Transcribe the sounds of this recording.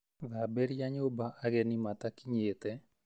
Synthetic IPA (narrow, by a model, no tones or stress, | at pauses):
ðabɛɾjaɲobaʔaɣɛnimat̪akiɲet̪ɛ